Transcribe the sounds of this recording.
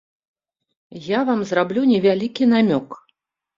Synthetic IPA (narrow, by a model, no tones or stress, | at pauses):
javamzrablʲunʲɛvʲalʲikʲin̪amʲɔk